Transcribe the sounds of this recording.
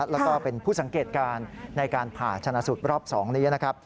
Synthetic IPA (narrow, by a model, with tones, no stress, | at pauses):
lɛ˦˥kɔː˥˩pe˧npʰuː˥˩sa˩˦ŋkeː˨˩t̪̚kaː˧nːa˧jkaː˧npʰaː˨˩t͡ɕʰa˧na˧su˨˩t̪̚ɾɔː˥˩p̚sɔː˩˦ŋniː˦˥na˦˥kʰɾa˦˥p̚